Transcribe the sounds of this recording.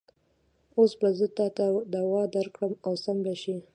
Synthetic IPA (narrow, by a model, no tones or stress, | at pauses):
osbazət̪ɑt̪ad̪awɑd̪aɾkɽəmawsambaʃi